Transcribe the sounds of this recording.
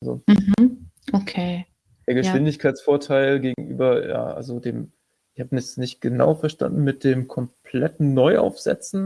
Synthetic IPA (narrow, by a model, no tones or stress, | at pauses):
ʔalzo̰m̩hm | ʔokʰeː | d̥eːɐɡəʃv̥ɪndɪçkʰaɪt͡sfoːɐtʰaɪlɡeːɡŋ̩ʔy̰ːbɐja̰ːʔa̰lzodḛːm | ʔɪçhaːbənɛçnɪçt̚ɡ̥əna̰ʊfɛɐʃta̰ndn̩mɪt̚d̥eːmkʰɔmpʰlɛtn̩nɔʏʔa̰ʊfz̥ɛ̰t͡sn̩